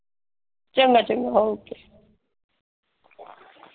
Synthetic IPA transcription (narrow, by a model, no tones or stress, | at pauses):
t͡ʃʼɛŋɡat͡ʃʼɛŋɡaɦokɛ̥